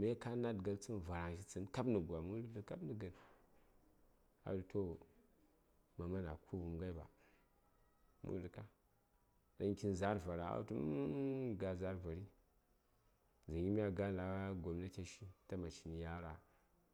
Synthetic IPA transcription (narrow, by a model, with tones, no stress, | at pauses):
me˦ka˦na˦dɡa˨lt͡sɨ˦n˨va˨ɾa˨ŋʃ̬i˦t͡sɨ˦nka˦bnə˨ɡʷa˨mu˦u˦tə˨ka˦bni˨ɡə˨n | a̰˨du˨tʰo˦ | ma˨ma˦na˨kʰu˦bu˨mɡa˦i˦ba̰˨ | mṵ˦˨du˨ka˦ | da˦ŋkʲi˦nza˦ɾva˨ɾa˨a̰˦tu˦m˦ɡa˨za˦ɾva˨ɾi˦ | za˨ji˦m˦a˦ɡa˦n˦la˦ɡo˨mna˦t͡ʃʲa˦ʃi˦ta˦ma˨t͡ʃi˨n˨ja˦ɾa˨